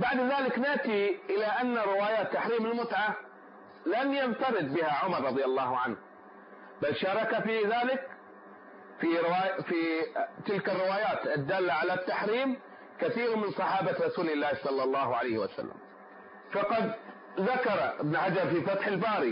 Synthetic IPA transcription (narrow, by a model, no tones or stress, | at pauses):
baʕd̪ðaːlɪknɪʔt̪iʔɪlaʔanːaɾɪwaːjaːt̪ːaħɾiːmɪlmʊt̪ʕa | lanjant̪ɑɾɪd̪bɪhaʕʊmɑɾˤɾˤɑðˤjalːɑːhʕanh | balʃɑːɾˤɑkafiðaːlɪk | fiɾwaːjfit̪ɪlkarːɪwaːjaːt̪ʔɪd̪ːaːlːaʕalat̪ːaħɾiːm | kaθiːɾmɪnsˤɑħɑːbaɾˤɑsuːlɪlːaːhsˤɑlːɑlˤːɑːhʕa̰lajhɪwa̰sa̰lːa̰m | fɑqɑd̪ | ðakɑɾˤʔɪbnħad͡ʒɑɾˤfifat̪ħɪlbaːɾi